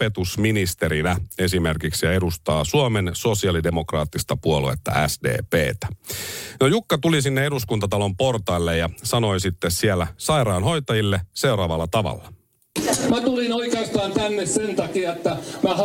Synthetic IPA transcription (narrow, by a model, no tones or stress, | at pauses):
et̪usminist̪eɾinæe̞sime̞rkiksjɑe̞dust̪ɑːsuomenso̞siɑlide̞mo̞krɑ̰ːt̪ːist̪ɑpuoluḛt̪ːɑ̰ʔæ̰sdḛːpḛːt̪æ̥nojukːɑt̪ulisinːee̞duskunt̪ɑt̪ɑlo̞mpo̞rt̪ɑːlːejɑsɑno̞isit̪ːessielːæsɑjrɑːnɦo̞jt̪ɑjilːese̞wɾɑːʋɑlːɑt̪ɑʋɑ̰lːɑ | mæt̪ulinoikeːst̪ɑːnt̪ænːessent̪ɑkiɑet̪ːæmæh